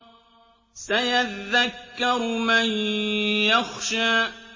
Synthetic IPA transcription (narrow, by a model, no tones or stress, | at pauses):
sajaðːakːɑɾmanjaxʃaː